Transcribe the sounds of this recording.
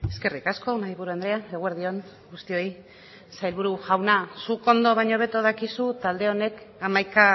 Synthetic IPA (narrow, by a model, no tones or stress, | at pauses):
e̞ske̞rikasko̞maðiβuɾuand̪ɾe̞aeɣueɾðio̞n | ɡust̪io̞ji | sajlβuɾuʝawnasuko̞nd̪o̞βaɲo̞βe̞t̪oðakisut̪ald̪e̞o̞ne̞kamajka